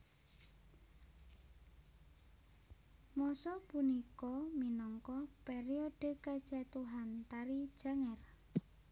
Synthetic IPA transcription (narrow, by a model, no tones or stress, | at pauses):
mɔsɔpunikɔminɔŋkɔpeɾioɖ̥ə̤kad̥ʒ̥at̪uɦant̪aɾid̥ʒ̥a̤ŋɛr